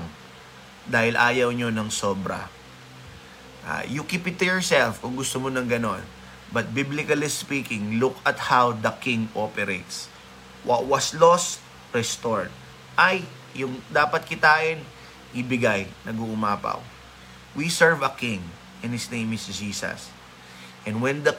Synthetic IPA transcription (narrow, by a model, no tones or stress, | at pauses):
ŋ | d̪aːhɪlʔa̰ːjɐwɲonɐŋsobɾɐ̰ | ʔa̰jʊkipɪt̪ːʊjɔɹsɛlfkʊŋɡʊst̪omonɐŋɡɐno̞n | bɐt̪̚biblɪkɐlɪsspiːkɪ̃ŋlʊkʰɐt̪hawd̪ɐkɪ̃ŋɡʔopɛɾejt̪s | wɐt̪̚wɐslost̪ | ɹɛst̪oɹd̪̚ | ʔɐj | jʊŋd̪aːpɐt̪̚kɪt̪aːʔɪn | ʔɪbɪɡajnɐɡuːʔʊmaːpɐ̰w | wisɛɹvɐkɪ̃ŋ | ʔɛ̃nhɪsnej̃mɪsd͡ʒiːsɐ̰s | ʔɛ̃nwɛ̃nd̪ɐ